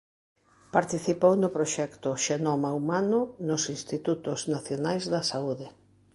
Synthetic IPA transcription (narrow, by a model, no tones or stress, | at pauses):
paɾt̪iθipownʊpɾoʃɛkt̪ʊʃenomaumanʊnʊsinst̪it̪ut̪ʊznaθjonajzðɐsauðɪ